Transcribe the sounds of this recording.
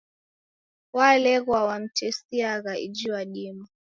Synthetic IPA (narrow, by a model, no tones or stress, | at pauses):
walɛɣwawam̩tɛsiaɣaḭd͡ʒiwaɗima